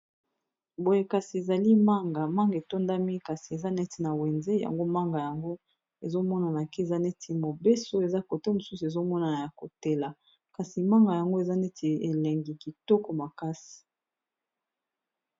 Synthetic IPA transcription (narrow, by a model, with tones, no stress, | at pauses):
bo˨je˨ka˨si˨e˨za˨li˦ma˦ŋɡa˨ma˦ŋɡe˨to˦nda˦mi˦ka˨si˨e˨za˦nɛ˦ti˨na˨wɛ˨nze˦ja̰˨ŋɡo˦ma˦ŋɡa˨ja˨ŋɡo˦ | e˨zo˦mɔ˦na˨na˨ke˦e˨za˦nɛ˦tʰi˨mo˨be˦so˦e˨za˦ko˨te˦mo˨su˦su˨e˨zo˦mɔ˦na˨ja˨ko˨te˦la˨ | ka˨si˨ma˦ŋɡa˨ja˨ŋɡo˦e˨za˦nɛ˦tʰi˨e˨lɛ˨ŋɡi˨ki˨tɔ˦kɔ˨ma˨ka˦si̥˨